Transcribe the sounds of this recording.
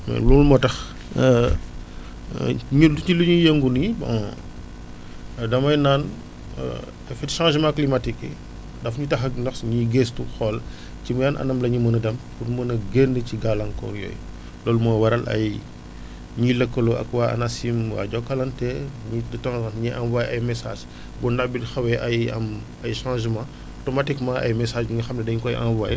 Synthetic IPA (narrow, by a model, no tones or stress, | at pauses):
mɛ̰lulmɔtɐx | ɲuuiluɲujeŋɡunibɐ̰ | dɐmɐjnaːn̰ | ɛfɛtʃãːʒmãklimatikːḭ | dɐfɲutɐxɐnɐxsɲiɡestuxɔːl | cimɐjanʔɐ̰nɐmlɐɲumənɐdɐmpurmɐnɐɡendəciɡalɐŋkɔ̰ɾjɔ̰ːj | lɔːlmɔjwɐɾɐlʔɐ̰j | ɲilɐkːɐluɐ̰kwaɐ̰nasimwa̰ːɟɔkːɐlɐntɛɲidɐtãzãnɲiʔɐmwaːjɐjmɛsa̰ːʒ | bundabidxɐwɛʔɐjɐ̰m | ɐjʃãːʒmã | tɔmatikmãɐ̰jmɛsaːʒbuɲɐxɐmnɐdɛɲkɔjʔa̰nva̰j